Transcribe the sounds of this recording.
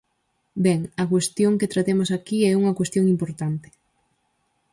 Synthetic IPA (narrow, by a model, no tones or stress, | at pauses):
bɛŋɐkwest̪joŋket̪ɾat̪emʊsakiɛuŋɐkwest̪joŋimpoɾt̪ant̪ɪ̥